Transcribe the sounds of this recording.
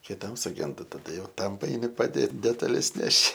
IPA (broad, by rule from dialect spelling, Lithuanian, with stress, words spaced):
kʲɪˈtɐm sʊˈɡʲɛndɐ tɐˈdɐ jɛʊ ˈtɐm pɐɛɪˈnʲɪ pɐˈdʲeːt dʲɛtɐˈlʲɛs ˈnʲæːʃʲɪ